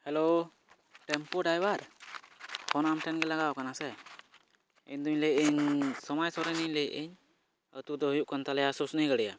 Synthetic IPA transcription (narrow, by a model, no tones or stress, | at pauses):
hɛlo | ʈɛmpɔɖajwaɾ | hʰɔnamʈɛnɡɛlaɡawkanasɛ | iɲd̪uiɲlɛʔiɲsɔmajsɔɾɛniɲlɛʔiɲ | ət̪ud̪ɔɦjuʔkant̪alɛjasusnəjɡəɽɛja